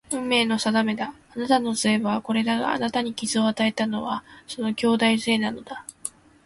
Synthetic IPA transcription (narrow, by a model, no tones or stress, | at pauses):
ɯ̟̃mːe̞ːno̞sad̪ame̞d̪aːnat̪ano̞sɨe̞βako̞ɾe̞d̪aɡa̰a̰nat̪aɲ̟ikʲizɨo̞at̪ae̞t̪ano̞βaso̞no̞kʲo̞ːd̪aise̞ːnano̞d̪̥a